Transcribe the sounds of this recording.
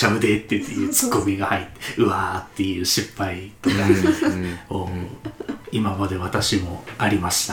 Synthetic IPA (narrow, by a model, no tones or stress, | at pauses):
aɯ̟d̪et̪ːet̪ːḛjɯ̟ːt͡sɨ̥kːo̞mʲiɡahait̪ːeɯ̟βat̪ːe̞jɯ̟ːɕipːaia | oː | imabad̪e̞βat̪aɕimo̞aɾʲimaɕi̥t̪a